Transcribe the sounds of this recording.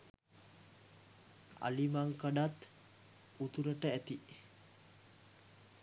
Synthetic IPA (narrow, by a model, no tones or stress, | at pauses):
a̰limaŋkaɖat̪ | ut̪uɾəʈəæt̪i